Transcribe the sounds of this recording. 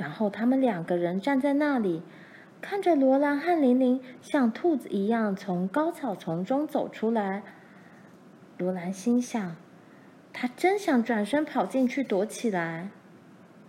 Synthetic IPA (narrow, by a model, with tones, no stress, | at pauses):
ɻa˧˥nxo˥˩ʊt̪ʰa˥mə˨nljɑ˨˩ŋɡə˧˦ɻə˧˥nʈ͡ʂa˥˧nt͡sa˥˧ɪna˥˩li˨˩ | kʰa˥˩nʈ͡ʂə˨˩lwɔ˧˥la˧˥nxa˥˩nli˧˥nli˧˥ŋɕjɑ˥˧ŋt̪ʰu˥˩t͡s̩˨˩i˧˥jɑ˥˩ŋt͡sʰʊ˧˥ŋkɑ˥ʊt͡sʰɑ˨˩ʊt͡sʰʊ˧˥ŋʈ͡ʂʊ˥ŋt͡so˨˩ʊʈ͡ʂʰu˥la˧˥ɪ | lwɔ˧˥la˧˥nɕi˥nɕjɑ˥˩ŋ | t̪ʰa˥ʈ͡ʂə˥nɕjɑ˨˩ŋʈ͡ʂwa˨˩nʂə˥ŋpʰɑ˨˩ʊt͡ɕi˥˧nt͡ɕʰy˥˩t̪wɔ˧˥t͡ɕʰi˨˩la˧˥ɪ